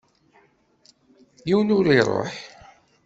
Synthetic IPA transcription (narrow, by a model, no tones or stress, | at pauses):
jiwənʊɾiɾˤo̰ħ